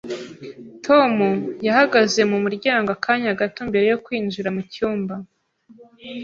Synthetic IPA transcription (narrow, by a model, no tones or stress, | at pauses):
tʰo̞mujahaɡaze̞mumuɾɟaːŋɡoakʰaːɲaɡatombe̞ɾe̞jo̞kwiːnʒuɾamucuːmba